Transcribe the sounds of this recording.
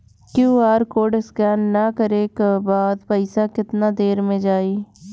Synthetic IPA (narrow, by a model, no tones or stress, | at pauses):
kjuːaːɾkoːɾɖskɛːnːəkəɾeːkebaːd̪pəɪsaːkɪt̪naːd̪eːɾmẽd͡ʒaːiː